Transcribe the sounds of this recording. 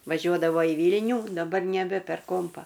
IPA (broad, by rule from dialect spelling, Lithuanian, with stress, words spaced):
ʋɐˈʒʲuɔdɐʋoː iː ˈʋʲiːlʲnʲuː dɐˈbɐr nʲɛˈbʲɛ pʲɛr ˈkoːmpɐ